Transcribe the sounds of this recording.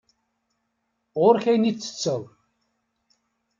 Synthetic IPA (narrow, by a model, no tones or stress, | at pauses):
ʁʊɾçæjnit͡sːə̥t͡sːəðˤ